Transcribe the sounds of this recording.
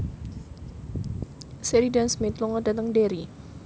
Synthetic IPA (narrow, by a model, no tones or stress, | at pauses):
sɛɾidansmɪt̪lɔŋɔdat̪əŋdeɾi